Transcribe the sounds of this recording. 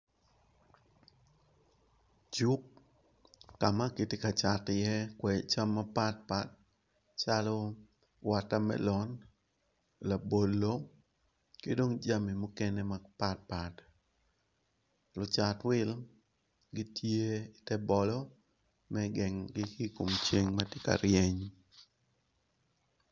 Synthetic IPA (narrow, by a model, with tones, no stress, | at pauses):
d͡ʒu˦kː | a˨ma˦ki˨ti˦ka˨t͡ʃa˨tɪ˨jɛ˦kwɛ˨t͡ʃa˦mːa˦pa˦t̚pa˦t̚ | t͡ʃa˦lɔ˦ | wa˨ta˦mɛ̰lɔ˨n | la˨bo˨lːo˦ | ke˦do˦ŋd͡ʒa˦mi˨mʊ˦kɛ˦nɛ˦mapa˦t̚pa˨t | lʊ˨t͡ʃa˨twɪ˦l | ɡi˦tʰje˦i˨tɛ˦bɔ˨lɔ˦ | mɛɡɛ˨ŋɡɪ˦ki˦ko˨mt͡ʃe˦ŋma˦tɪ˦ka̰˨ɾjɛ˦ɲ